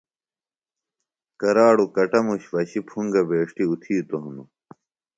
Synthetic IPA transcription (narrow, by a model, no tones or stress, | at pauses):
kɐɾaːɽukɐʈɐmuɕʋɐɕipʰuŋɡɐbeːʂʈiut̪ʰiːt̪oɦunu